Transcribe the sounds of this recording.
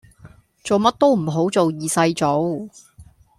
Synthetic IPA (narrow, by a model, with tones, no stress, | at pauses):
t͡so˨wmɐ˥t̚t̪o˥wm̩˨˩ɦo˨˥wt͡so˨wjiː˨sɐ˧jt͡so˨˥w